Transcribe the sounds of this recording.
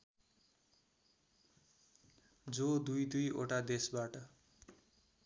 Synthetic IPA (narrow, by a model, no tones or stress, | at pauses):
d͡zod̪ujd̪ujo̰ʈad̪esbaʈʌ